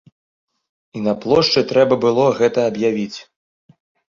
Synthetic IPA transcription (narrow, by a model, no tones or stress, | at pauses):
inɐplˠɔʂt͡ʂɨt̪ɾɛbɐbɨlˠɔɣɛt̪ɐːbjavʲit͡sʲ